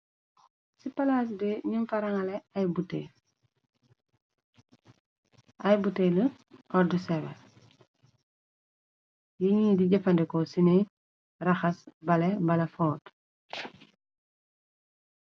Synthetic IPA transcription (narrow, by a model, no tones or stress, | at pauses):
sipɐlaːs̬bɛɲumfɐɾɐŋɐlɛɐjbute | ʔɐjbutelə | ʔɔɾdusɛbɛ | jiɲiːdiɟɐfɐndɛkɔsine | rɐxɐsbɐlɛbɐlɐfɔːt